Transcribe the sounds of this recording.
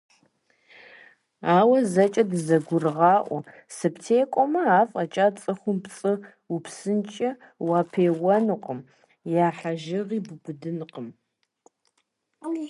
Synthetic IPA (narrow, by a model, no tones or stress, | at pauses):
aːwɐzɐt͡ʃʼɐdɨzɐɡʷʊrɨʁɑːʔʷɔ̰ | sɨptʰeːkʷʼɔmɐaːfʼɐt͡ʃʼat͡sʼɨχʷʊmpt͡sʼɨ | upsɨnt͡ʃʼɐ | waːpʰeːwɐnɨqʼəm | jaːħaʒɪʁiːbɨbɨdɨnqʼəm